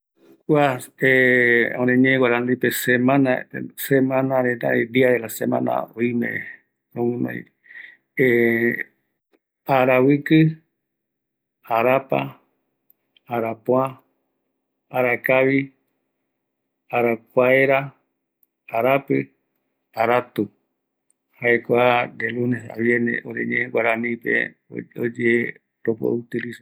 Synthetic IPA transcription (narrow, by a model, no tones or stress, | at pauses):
kʷaeõɾẽɲẽɡwaɾand̪ipesemãnasemãnãɾet̪a̰ed̪iaɾeɾasemã̰na̰oimḛ̃ | ɾomũnõ̰j̰ | e | aɾawɨkɨ | aɾapa̰ | aɾapõã | aɾakaβi | aɾakʷaeɾa | aɾapɨ | aɾat̪u | haekʷad̪elunesa̰βjenḛʔoɾḛɲẽẽwaɾanĩpḛ | od͡ʒe | ɾopo̰ut̪ilisa